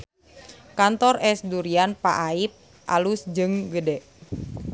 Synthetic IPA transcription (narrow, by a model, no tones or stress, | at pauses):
kant̪ɔrʔɛsduɾianpaʔaip̚ | ʔa̰lusd͡ʒɨŋɡədɛʔ